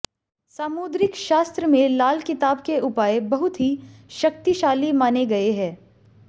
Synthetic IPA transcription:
saːmuːd̪ɾɪkʃaːst̪ɾəmẽlaːlkɪt̪aːbkeʔʊpaːebɐɦʊt̪ɦiʃɐk̚t̪iʃaːlimaːneɡɐeɦɛ̃ː

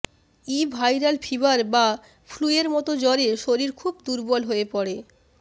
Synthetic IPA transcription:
ibʱajɾalfʰiβaɾba | fʰlueɾmɔt̪od͡ʑɔɾeʃoɾiɾkʰubd̪uɾbɔlɦoepɔɽe

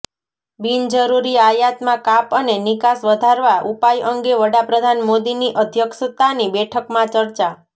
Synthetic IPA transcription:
bind͡ʒəɾuɾiajat̪mãkapənenɪkasʋəd̪ʱaɾʋaʔupajʔəŋɡeʋəɽapɾəd̪ʱanmod̪iniʔəd̪ʱjəkʃət̪anibɛʈʰəkmãt͡ʃəɾt͡ʃa

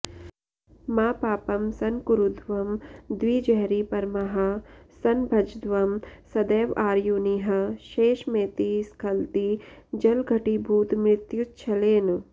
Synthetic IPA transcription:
maːpaːpɐmsɐnkuɾud̪ʋɐmd̪ʋiːd͡ʒɐɦɾipɐɾmɐɦɐsɐnbʱɐd͡ʒd̪ʋɐmsɐd̪eːʋaːɾjuniɦɐ̆ʃeːʃmeːt̪iskʰɐlt̪id͡ʒɐlɡʱɐʈibʱuːt̪mɾɪt̪jut͡ʃʰɐleːn

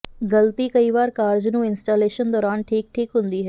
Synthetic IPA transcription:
ɡəlt̪iːkəiːʋaːɾkaːɾd͡ʒnũːɪnsʈaːleːʃənd̪ɔːɾaːnʈʰiːk̚ʈʰiːkɦʊ̃nd̪iːɦɛː

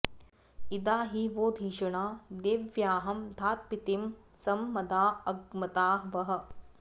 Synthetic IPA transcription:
id̪aːɦiʋoːd̪ʱiːʃɐɳaːd̪eːʋjaːɦɐmd̪ʱaːt̪̚pit̪im | sɐmːɐd̪aːɐɡmɐt̪aːɦʋɐɦɐ̆

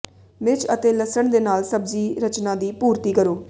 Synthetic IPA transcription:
mɪt͡ʃət̪eːləsəɳd̪eːnaːlsəbziːɾət͡ʃnãːd̪iːpuːɾt̪iːkəɾoː

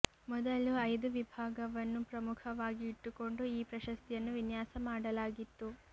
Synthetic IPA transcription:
mɔd̪ɐluɐjd̪uʋibʱaːɡɐʋɐnːupɾɐmukʰɐʋaːɡiːʈːuko̞ɳɖuiːpɾɐʃɐst̪ijɐnːuʋinjaːsɐmaːɽɐlaːɡit̪ːu

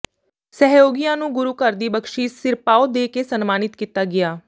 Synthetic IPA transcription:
sɛɦjoːɡijãːnũːɡʊɾuːkəɾd̪iːbəkʃiːsɪɾpaːoːd̪eːkeːsənmaːnɪt̪kiːt̪aːɡɪaː

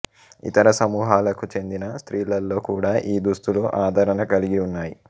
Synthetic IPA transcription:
ḭt̪ɐɾɐsɐmuːɦaːlɐkut͡ʃe̞nd̪inɐst̪ɾiːlɐlːo̞ːkuːɽaːʔiːd̪ust̪uluʔaːd̪ʱɐɾɐnɐkɐliɡiunːaːji

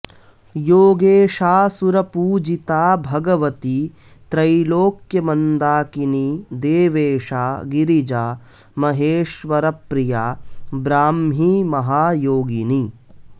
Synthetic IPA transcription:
joːɡeːʃaːsuɾɐpuːd͡ʒit̪aːbʱɐɡɐʋɐt̪i | t̪ɾɐjloːkjɐmɐnd̪aːkinid̪eːʋeːʂaːɡiɾid͡ʒaː | mɐɦeːʃʋɐɾɐpɾijaːbɾaːmɦimɐɦaːjoːɡini

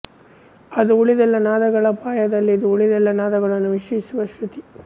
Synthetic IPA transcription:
ɐd̪uuɭid̪ɛlːɐnaːd̪ɐɡɐɭɐpaːjɐd̪ɐlːiːd̪uuɭid̪ɛlːɐnaːd̪ɐɡɐɭɐnːuʋiʂɐjisuʋɐʃɾut̪i

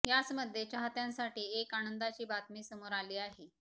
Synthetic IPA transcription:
jat͡sməd̪ʱjet͡ɕaɦat̪jãnsaʈiːekañənd̪at͡ɕiːbat̪miːsəmoɾaliːaɦe

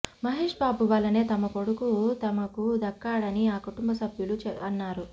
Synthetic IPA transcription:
mɐɦeːʂbaːbuʋaːlːɐne̞ːt̪ɐmɐpo̞ɽukut̪ɐmɐkud̪ɐkːaːɽɐniaːkuʈumbɐsɐbʱjulut͡ʃɐnːaːɾu

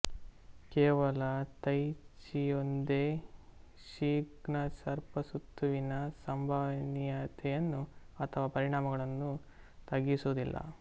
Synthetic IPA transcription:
kɛːʋɐlɐt̪ɐjt͡ʃijond̪eː | ʃiːɡɳɐsɐɾpɐsut̪ʰːuʋinɐsɐmbʱɐʋnijat̪ʰɛjɐnːu | ɐt̪ʰɐʋaːpɐɾiɳaːmɐɡɐɭɐnːu | t̪ɐɡːisuːd̪ilːɐ̰

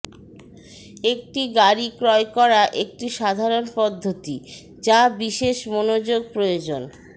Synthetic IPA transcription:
ek̚ʈiɡaɾikɾɔekɔɾaʔek̚ʈiʃad̪ʱaɾonpɔd̪ʱːot̪i | d͡ʑabiʃeʃmonod͡ʑoɡ̚pɾojod͡ʑon

